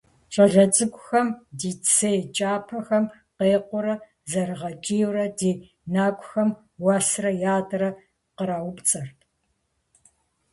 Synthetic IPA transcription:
t͡ʃʼɐɮɐt͡sʼɨkʷʼʊxɐmdiːt͡sʰeːjt͡ʃʼaːpʰɐxɐm | qeːqʷʊɾɐ | zɐrɨʁɐt͡ʃʼiːwrɐdiː | naːkʷʼʊxɐm | wɐsrɐjaːdrɐ | qəɾaːwʊpt͡sʼɐrʰ

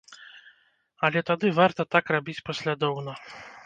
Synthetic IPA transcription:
ɐlʲɛt̪ad̪ɨvart̪ɐt̪akrabʲit͡sʲpɔsʲlʲad̪ɔwnɐ

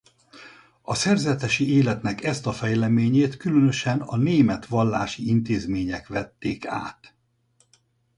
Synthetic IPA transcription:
ɒsɛrzɛt̪ɛʃieːlɛt̪nɛkɛst̪ɒfɛjlɛmeːɲeːt̪kylønø̞ʃɛnɒneːmɛt̪ʋɒlːaːʃiint̪eːzmeːɲɛkʋɛt̪ːeːka̰ːt̪

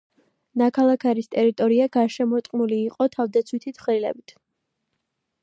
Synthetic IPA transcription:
nakʰalˠakʰaɾist̪ʼɛɾit̪ʼɔɾiaɡaɾʃɛmɔt̪ʼqʼnuliːqʼɔt̪ʰavd̪at̪sʰwit̪ʰit̪χɾilɛ̰bit̪ʰ

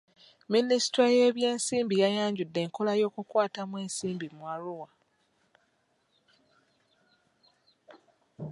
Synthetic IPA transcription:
ministɾaje̞ːβje̞ːnsiːmbijajaːɲɟudːe̞ːŋkolajo̞ːkukwaːtamwe̞ːnsiːmbimwaɾuwa

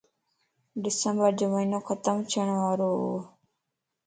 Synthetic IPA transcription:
ɖɪsəmbəɾd͡ʒoməinõːkʰət̪əmt͡ʃʰəɳ̃ʋaːɾoːoː

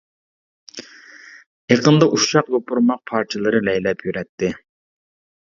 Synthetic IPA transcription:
eqʰənd̪ɑʔuʃɑqbopuɾmɑq̚pʰɑɾt͡ʃʰɨlˠɨɾɨlɛjlɛpʰjyɾɛt̪ʰːɪ

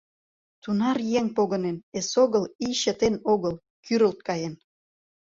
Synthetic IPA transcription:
t̪unɑrjeŋpoɣə̆nenesoɣəliɕət̪enoɣəl | kʰyɾəlt̪̚kɑjen

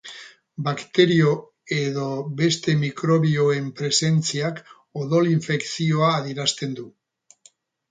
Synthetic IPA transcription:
bakt̪e̞ɾio̞ | e̞ðo̞βe̞st̪e̞mikɾo̞βio̞e̞mpɾe̞se̞nt͡siak | oðo̞liɱfe̞ksio̞aːðeɾast̪e̞nd̪u

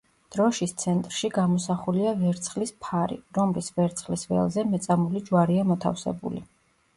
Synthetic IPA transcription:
d̪̥ɾɔʃist̪sʰɛnt̪ʼɾʃiɡamɔsaχuliavɛɾt̪sʰχlispʰaɾḭɾɔmlisvɛɾt̪sʰχlisvɛ̰lˠzɛmɛt̪sʼamulid͡ʒwaɾiamɔt̪ʰa̰fsɛ̰bṵlḭ

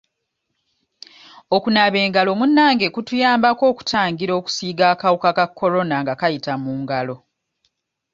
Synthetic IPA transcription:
okunaβe̞ːŋɡalo̞munːaːŋɡe̞kutujaːmbako̞ːku̥tʰaːŋɡiɾo̞ːku̥siːɡaːkawukakakʰːo̞ɾo̞naŋɡakajitamuːŋɡalo̞

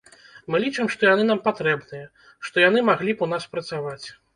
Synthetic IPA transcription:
mɨlʲit͡ʂɨmʂt̪ɔjanɨnampat̪ɾɛbnɨjɐ | ʂt̪ɔjan̪ɨmaɣlʲipunaspɾɐt̪savat͡sʲ

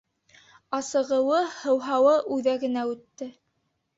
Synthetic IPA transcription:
ɑsɤ̆ʁɤ̆wɤhɤ̆wɦɑwɤʔʉðæɡɘ̆næʉt̪ːɘ

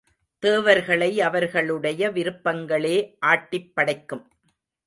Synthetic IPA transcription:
t̪eːʋɐɾɣɐɭɐɪɐʋɐɾɣɐɭɯɽɐjɐʋɪɾɯpːɐŋɡɐɭeːʔaːʈːɪpːɐɽɐɪkːɯm

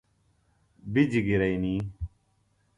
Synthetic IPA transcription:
bid͡ʑiɡiɾɐiniː

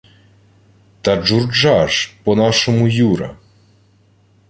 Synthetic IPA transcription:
t̪ɐʐurd͡ʒaʐpɔnaʂɔmujuɾɐ̰

